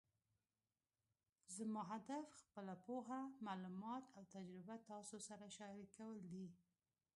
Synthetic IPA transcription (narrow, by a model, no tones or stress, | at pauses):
zəmɑɦad̪afxpəlapoɦamalumɑt̪awt̪ad͡ʒɾɪbat̪ɑsosaɾaʃɑɾikawəld̪i